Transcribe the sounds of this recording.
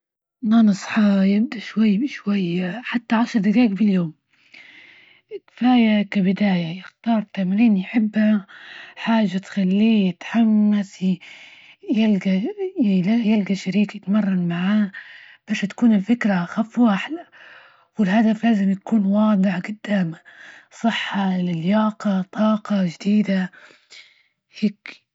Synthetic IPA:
nɑnɨsˤħɑjɪb̚d̪aʃwajːbʃwajːħat̪ːaʕaʃɾˤd̪akaːkbɪljoːm | ɪkɪ̥faːjakabɪd̪aːjajɪxt̪ɑːɾˤt̪amɾiːnjħɪbːha | ħaːʒːat̪xalːiːjɪt̪ħamːas | jalɡalajalɡaʃaɾiːkjɪt̪mɑrˤːɑnmaʕaː | b̥aːʃt̪ḁkuːnɪlfɪkɾaxafːuʔʔaħla | wɪlhad̪aflaːzɪmjakuːnwɑːd̪ˤɨʕɡʊd̪̥ːaːmasˤɨħːɑlɪljɑːqɑt̪ˤɑːqɑʒd̪iːd̪a | heːk

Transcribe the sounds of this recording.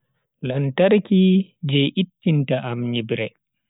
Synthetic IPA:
lantaɾkid͡ʒɛjʔitːintaʔamɲibɾɛ

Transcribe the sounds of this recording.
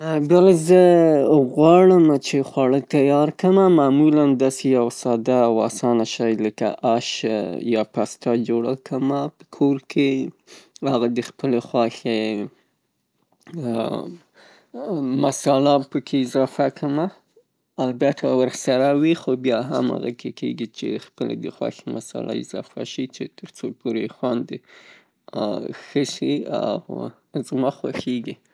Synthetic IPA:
bjalazəɣwɑɽəmat͡ʃexwaɽət̪ajɑɾkəmamamuland̪ɑsejawsɑd̪awa̰sɑnaʃɑjləka̰ʔaʃjɑpast̪ɑd͡ʒoɽa̰kʰəmapə̥kʰoɾkʰe | aɣad̪əxpəlexwɑxe | masɑlapəkʰeɪzɑfakʰəmaː | lbat̪ʰawəɾxsaɾawixobjɑɦa̰ma̰ɣa̰kʰekeɡit͡ʃḛxpəlḛd̪əxwɑ̰xemasɑ̰lʔa̰ɪ̰zɑ̰fa̰ʃit͡ʃet̪əɾt͡sopoɾexwand̪e | xəʃia̰w | zmɑxwa̰xeɡi

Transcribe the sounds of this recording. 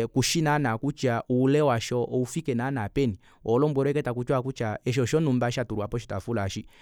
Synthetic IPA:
kuʃinanakut͡ʃaʔuːlɛwaʃɔʔɔufikɛnanapɛni | ɔlɔmbwɛɾɔɛkɛtak̬ut͡ʃwakut͡ʃaɛʃ̬ɔʃɔnumbaʃatuɾuapɔʃ̬itafulaʃi

